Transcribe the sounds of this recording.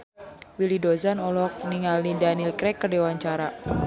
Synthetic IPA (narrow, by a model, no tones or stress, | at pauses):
wilidozanɔlɔk̚niŋalnidanilkɾɛkːərdewaɲt͡ʃaɾa